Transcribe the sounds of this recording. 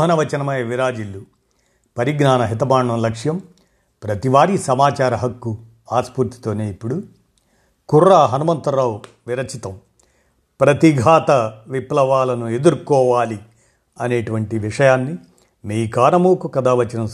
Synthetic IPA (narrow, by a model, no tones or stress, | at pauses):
ɦɐnɐʋɐt͡ʃɐnɐmɐjɐʋiɾaːd͡ʒilːu | pɐɾiɡnaːnɐɦit̪ɐmaːɳːɐmlɐkʂjɐm | pɾɐt̪iʋaːɾisɐmaːt͡ʃaːɾɐɦɐkːu | aːspuɾt̪i̥t̪o̞ːne̞ːipːuɽu | kurːaːɦɐnumɐnt̪ɐɾaːw | ʋiɾɐt͡ʃit̪ɐm | pɾɐt̪iɡʱaːt̪ɐʋiplɐʋaːlɐnue̞d̪uɾkɔːʋaːli | ɐneːʈuʋɐɳʈiʋiʂɐjaːnːi | miːkaːɾɐmuːkukɐd̪aːʋɐt͡ʃɐnɐm